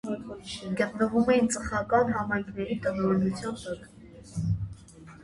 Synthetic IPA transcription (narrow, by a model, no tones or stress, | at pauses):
ɡət̪nəvumɛjint͡səχɑkɑnɦɑmɑjŋkʰnɛɾit̪ənɔɾɛnut͡sʰjɑnːɔt̪